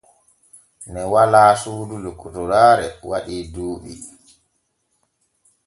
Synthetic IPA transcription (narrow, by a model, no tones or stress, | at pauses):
nɛwalaːsuːdulukutɔɾaːɾɛwaɗiːdoːɓḭ